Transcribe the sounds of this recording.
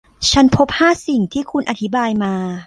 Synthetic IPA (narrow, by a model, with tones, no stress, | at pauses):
t͡ɕʰa˦˥npʰo˦˥p̚haː˥˩si˨˩ŋt̪ʰiː˥˩kʰu˧nʔa˨˧t̪ʰi˦˥baː˧jmaː˧